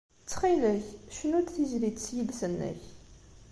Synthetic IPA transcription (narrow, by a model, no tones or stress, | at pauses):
t͡sːχilæçʃənʊɾθizlit̪sjiðsənːæ̰ç